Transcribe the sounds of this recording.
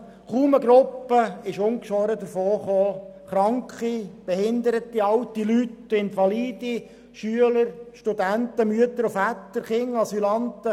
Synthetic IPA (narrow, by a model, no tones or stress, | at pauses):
kuːməɡɾʊpːəɪʃʊŋkʃʋɔɾəd̪əɾfoːχoːχɾɑŋkχib̥ɛhɪnd̪əɾət̪ːiɑwt̪ilytɪnfɑliːdi | ʃyələɾʃtud̪ænt̪əmyət̪əɾufæt̪ːəɾχɪŋɑsylɑnt̪ə